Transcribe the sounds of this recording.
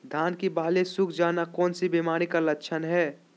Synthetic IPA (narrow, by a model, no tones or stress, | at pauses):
d̪ʱaːnkibaːlesʊkʰd͡ʒaːnakɔːnsibimaːɾ̃ikalətːʃʰənɦɛː